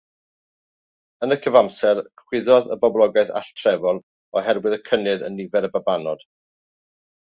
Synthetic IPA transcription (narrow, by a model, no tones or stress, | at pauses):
ənəkʰəvamsɛrkʰw̥ɪðɔðə̰bɔblˠɔɡaɨθa̰ɬtʰrɛvɔlˠ | ɔɦɛrwɪðəkʰənɨðə̰nːivɛɾəbabanɔd̥